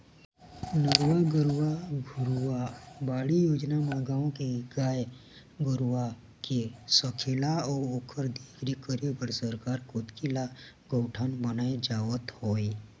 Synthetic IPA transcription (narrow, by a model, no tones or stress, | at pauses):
nəɾwaɡəɾwaɡʱʊɾwabaːɽijoːd͡ʒnaməɡaːõkeɡaːj | ɡʊɾwa | kesəkʰɪlaɔːɾoːkʰəɾd̪iːkʰɾikəɾibəɾsəɾkaːɾkʊt̪kilaɡ̥oːʈʰənbənaed͡ʒaːwət̪hoːi